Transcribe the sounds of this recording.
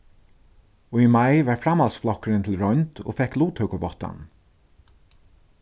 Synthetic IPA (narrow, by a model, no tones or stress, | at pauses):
ɔimajʋaɹfɾamalsflɔkɾɪnt̪ʰɪlɹɔʏnt̪o̰ːfɛkluːt̪ʰhœwkəvɔt̪a̰n